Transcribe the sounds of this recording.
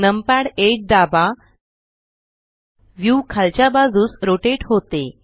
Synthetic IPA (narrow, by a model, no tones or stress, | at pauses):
nəmpɛɽeʈ̚d̪aba | ʋjukʰalt͡ɕjabad͡zuːsɾoʈeʈɦot̪e